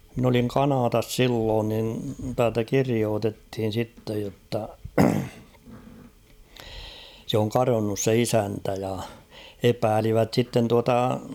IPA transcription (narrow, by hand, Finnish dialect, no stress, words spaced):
min oliŋ kɑnɑːtɑs silːoːn nin tæːltæ kirioːtethin̞ sitːej jotːɑ sĕ oŋ kɑronːus se isæntæ jɑ epæːliʋæt sitːen tuɑtɑ